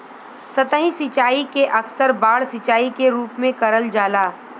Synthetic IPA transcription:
sɐt̪ə̃ɦĩsɪt͡ʃaːikeʔɐksəɾbaːɽsɪt͡ʃaːikeɾuːpmẽkɐɾəld͡ʒaːlaː

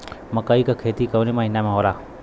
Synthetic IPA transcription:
məkaːikakʰeːt̪iːkəʋnimãɦɪnːamãɦoːɾaː

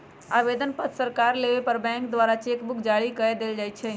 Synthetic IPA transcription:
aʋed̪ənpət̪ʰsəɾkaɾleʋepəɾbɛ̃ŋkd̪ʋaɾat͡ʃekbukʰd͡ʒaɽikəed̪eld͡ʒajt͡ʃʰɛ

